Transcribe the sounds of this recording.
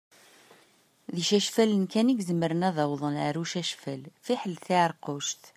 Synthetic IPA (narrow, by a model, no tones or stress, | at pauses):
ðiʃæʃfælənkæniɡzəmːəɾənæðɑwðˤənʕəɾuʃæʃfælfiħəlθiʕəɾˤqoʃt̪